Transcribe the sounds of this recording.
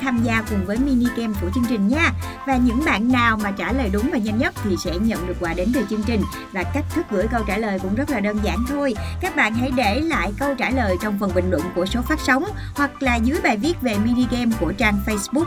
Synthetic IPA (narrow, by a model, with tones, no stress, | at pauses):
t̪ʰaː˧mzaː˧kʊ˨˩ŋ͡mvəː˨˦jmi˧ni˧kɛ˧mku˧˩ət͡ɕɨ˧əŋt͡ɕï˨˩ŋ̟ɲaː˨˧ | vaː˨˩ɲɨ̰˧˥ŋɓa̰ː˧˨nːaː˨˩wmaː˨˩t͡ɕaː˧˩ləː˨˩jɗʊ˨˦ŋ͡mvaː˨˩ɲə˧nɲə˦˥t̚t̪ʰi˨˩sɛ̰˧˥ɲə̰˧˨nɗɨ˨˩ək̚ːwaː˨˦ɗe˨˦nveː˨˩t͡ɕɨ˧əŋt͡ɕï˨˩ŋ̟ | vaː˨˩ka˦˥k̚t̪ʰɨ˦˥k̚ɣɨ̰˧˥əjkə˧wt͡ɕaː˧˩ləː˨˩jkʊ̰˧˥ŋ͡mzə˦˥t̚laː˨˩ɗəː˧nzaː˧˩nt̪ʰo˧jkaː˦˥k̚ɓa̰ː˧˨nɦa̰˧˥˩jɗe˧˩la̰ː˧˨jkə˧wt͡ɕaː˧˩ləː˨˩jt͡ɕɔ˧wŋ͡mfə˨˩nɓï˨˩ŋ̟lwə̰˧˨nku˧˩əso˨˦faː˦˥t̚sə˨˦wŋ͡m | hwa˨˩k̚laː˨˩zɨ˨˦əjɓaː˨˩jvi˦˥ət̚ve˨˩mi˧ni˧kɛ˧mku˧˩ət͡ɕaː˧ŋfə˧jsɓʊ˦˥k̚